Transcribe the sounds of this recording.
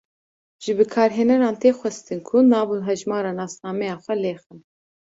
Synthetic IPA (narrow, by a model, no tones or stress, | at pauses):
ʒ̥ɨbɨkʰɑːɾɦeːnɛɾɑːnt̪eːxʷɛst̪ɨnkʰunɑːvuɦɛʒmɑːɾɑːnɑːsnɑːmɛjɑːxʷɛleːxɨn